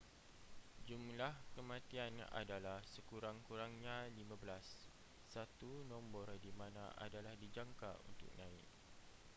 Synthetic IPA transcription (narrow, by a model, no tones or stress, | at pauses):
d͡ʒumlahkəmãt̪iana̰dalahsəkuɾaŋkuɾaŋɲãlimãbəlasː | at̪unɔ̃mbɔrdimãnãʔa̰dalahdid͡ʒaŋka̰ṵnt̪ʊ̰k̚nãɪ̰k̚